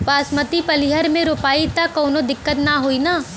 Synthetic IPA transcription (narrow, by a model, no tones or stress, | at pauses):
paːsmət̪ipɐliɦəɾmẽɾoːpaːit̪akɔːnod̪ɪkːət̪naɦoinaː